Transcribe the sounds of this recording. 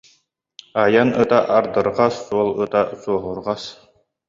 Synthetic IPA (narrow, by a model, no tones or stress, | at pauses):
ajanɯt̪aʔaɾd̪ɯɾʁasːuɔlˠɯt̪asuɔɦuɾʁas